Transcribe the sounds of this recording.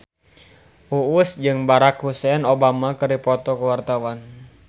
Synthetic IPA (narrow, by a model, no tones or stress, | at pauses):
ʔuusd͡ʒɨŋbaɾakhusɛnobamakɨrdipɔt̪ɔkəwart̪awan